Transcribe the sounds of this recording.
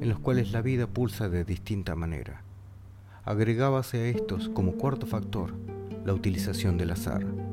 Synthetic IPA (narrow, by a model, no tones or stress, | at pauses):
enloskwalezlaβið̞apulsaðeðist̪int̪amanḛɾa̰ | a̰ɣɾeɣaβaseaest̪o̞sko̞mo̞kwaɾt̪ofak̚t̪o̞ɾlaut̪ilisasjo̞nd̪elasa̰ɾ